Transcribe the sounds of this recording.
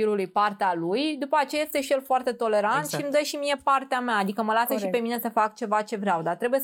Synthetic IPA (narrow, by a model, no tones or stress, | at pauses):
iɾulujpart̪ealujd̪upəat͡ʃejajest̪e̞ʃijelfoart̪e̞t̪o̞le̞ɾant̪ʃimd̪əʃimie̞part̪eameaːd̪ikəməlasəʃipe̞mine̞səfak̚t͡ʃe̞vat͡ʃe̞vɾeawd̪art̪ɾe̞buje